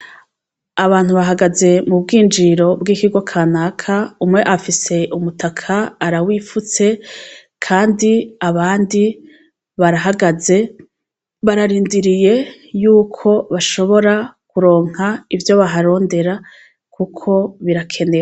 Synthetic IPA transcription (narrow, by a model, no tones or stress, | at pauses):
aβaːn̥huβaɦaɡaze̞mubɡiːnd͡ʒiɾo̞bɡiːkiɡwakʰaːnakʰaumŋe̞ʔafise̞ʔumutʰakʰaːɾawiːfut͡se̞ | kʰaːndiaβaːndi | βaɾaɦaɡaze̞ | βaɾaɾiːndiɾije̞ | juːkʰo̞βaʃo̞βo̞ɾakuɾo̞ːŋ̥haivjo̞βaɦaɾo̞ːnde̞ɾa | kukʰo̞βiɾakʰe̞ne̞